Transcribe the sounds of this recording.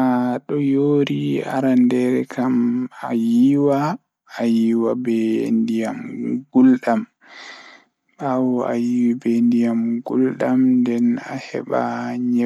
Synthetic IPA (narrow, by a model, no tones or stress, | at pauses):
aɗɔjoːɾia̰ɾandɛɾɛkʰamajiwaː | jiwabɛndijamɡulɗam | ɓawɔa̰jiwibɛndijamɡulɗamndɛna̰hɛ̰ɓa̰ɲɛ